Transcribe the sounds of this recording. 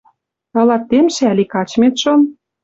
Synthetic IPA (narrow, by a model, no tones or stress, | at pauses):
ɤ̆lɑt̪ːemʃeælʲikɑt͡ɕmet̪ʃɤ̆n